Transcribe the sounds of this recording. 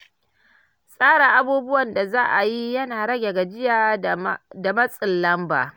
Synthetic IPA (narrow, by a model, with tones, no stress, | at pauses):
sʼaː˦ɽa˨ʔa˦buː˦bʊ˦wɐ˨nda˨zaː˦ʔa˨ji˦jɐ˦naː˨ɽɐ˦ɡʲe˨ɡa˨d͡ʒɪ˦jaː˨ | da˨mɐ˦sʼɪ˨lːɐ˦mba̰ː˨